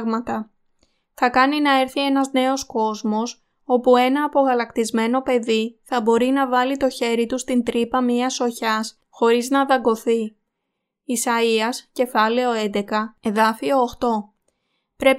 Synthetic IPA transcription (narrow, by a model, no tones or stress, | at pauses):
ɣmɐt̪ɐ | θɐkɐninɐe̞ɾθie̞nɐzne̞o̞sko̞zmo̞s | o̞pue̞nɐːpo̞ɣɐlɐkt̪izme̞no̞pe̞ðiθɐbo̞ɾinɐvɐlit̪o̞çe̞ɾit̪ust̪int̪ɾipɐmiɐso̞çɐs | xo̞ɾiznɐðɐɡo̞θiː | sɐiɐsce̞fɐle̞o̞end̪e̞kɐe̞ðɐfio̞ːxt̪o̞ | pɾe̞p